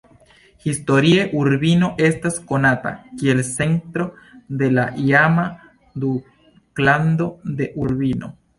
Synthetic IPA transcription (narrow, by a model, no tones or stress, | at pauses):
xist̪o̞ɾieʔuɾβino̞ʔe̞st̪askonat̪a̰kielse̞nt̪ɾo̞ | d̪e̞laʔiama | d̪u | kland̪o̞d̪eʔuɾβino̰